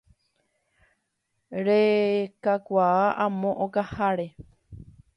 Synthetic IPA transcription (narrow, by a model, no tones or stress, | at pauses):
ɾekakʷaaʔãmõʔõkahaɾe